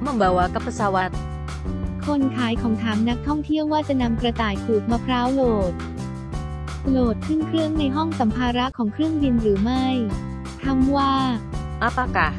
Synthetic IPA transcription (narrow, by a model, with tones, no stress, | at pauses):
ma˧˥˩ŋbɛː˨˩waː˧ka˦˥pʰːa˧saː˧wa˦˥t̪̚ | kʰo˧nkʰaː˩˦jkʰɔː˩˦ŋt̪ʰaː˩˦mna˦˥k̚t̪ʰɔ˥˩ŋt̪ʰi˥˩əwaː˥˩t͡ɕa˨˩ʔna˧mkɾa˧t̪aː˨˩jpʰluː˨˩k̚maː˧pʰɾaː˦˥wloː˨˩t̪̚ | loː˨˩t̪̚kʰɯ˥˩nkʰɾɯ˥˩əŋna˧jɦɔ˥˩ŋsa˩˦mpʰaː˧ɾa˦˥kʰɔː˩˦ŋkʰɾɯ˥˩əŋdi˧nɾɯː˩˦ma˥˩j | t̪ʰa˧˥˩mwaː˥˩ | ʔa˦˥pa˧ka˨˩